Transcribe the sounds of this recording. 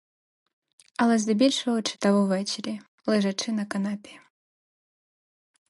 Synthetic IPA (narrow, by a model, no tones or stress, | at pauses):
ɐlˠɛzʲd̪ɨbʲilʲʂɐwt͡ʂɨ̥t̪avɔvɛt͡ʃɾʲi | lˠɨʐat͡ʂɨnɐkanapʲɛ